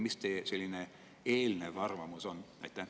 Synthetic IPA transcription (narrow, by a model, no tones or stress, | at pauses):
mist̪ese̞lːine | e̞ːlne̞vɑrvɑmuso̞nɑ̰jt̪ːˑæ